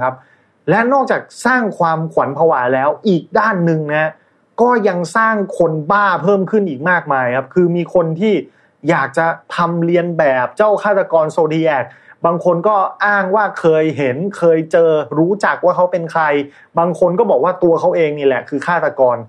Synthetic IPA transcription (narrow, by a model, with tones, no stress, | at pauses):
kʰa˦˥p̚ | lɛ˦˥nɔː˥˩k̚t͡ɕaː˨˩k̚saː˥˩ŋkʰwaː˧mkʰwa˩˦npʰa˧waː˩˦lɛː˦˥wʔiː˨˩k̚daː˥˩nːɯ˧ŋni˦˥ɐ | kɔː˥˩ja˧ŋsaː˥˩ŋkʰo˧nbaː˥˩pʰɤː˥˩mkʰɯ˥˩nʔiː˨˩k̚maː˥˩k̚maː˧jkʰa˦˥p̚kʰɯː˧miː˧kʰo˧nt̪ʰiː˥˩ | jaː˨˩k̚t͡ɕa˨˩t̪ʰa˧mli˧ənbɛː˨˩p̚t͡ɕa˥˩wkʰaː˥˩t̪a˧kɔː˧nsoː˧diː˧ʔɛː˨˩k̚baː˧ŋkʰo˧nkɔː˥˩ʔaː˥˩ŋwaː˥˩kʰɤː˧jɦe˩˦nkʰɤː˧jt͡ɕɤː˧ɾuː˦˥t͡ɕa˨˩k̚waː˥˩kʰa˦˥wpe˧nkʰɾa˧j | baː˧ŋkʰo˧nkɔː˥˩bɔː˨˩k̚waː˥˩t̪u˧ɐkʰa˦˥wʔeː˧ŋniː˥˩lɛ˨˩kʰɯː˧kʰaː˥˩t̪a˧kɔː˧n